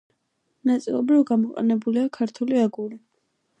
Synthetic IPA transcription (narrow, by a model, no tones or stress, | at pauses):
nat̪sʼḭlˠɔbɾivɡamɔqʼɛ̰nɛbuliakʰaɾt̪ʰuliaɡuli